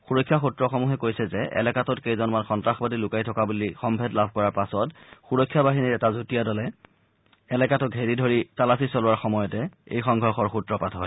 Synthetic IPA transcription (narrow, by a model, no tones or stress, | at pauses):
xuɹɔkʰːjaxutɹɔxɔmuxɛkojsɛzɛʔɛ̰lɛkatɔtkejzɔnmanxɔntɹaxbadilʊkajtʰɔkabulixɔmbʱɛdlabʱkɔɹaɹpasɔtxuɹɔkʰːjabaɦinitɛtazutijadɔlɛ | ɛlɛkatɔɡʱeɹidʱoɹitalasisolʊwaɹxɔmɔjɔtɛḛjxɔŋɡʱɔɹxɔɹxutɹɔpatɦɔj